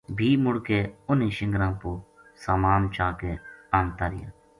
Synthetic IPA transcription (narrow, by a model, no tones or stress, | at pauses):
bʱiːmʊɽkeːʊniːʃɪ̃ŋɡɾãːpoː | saːmaːmt͡ʃʰaːkeːaːnt̪aːɾɪja̰ː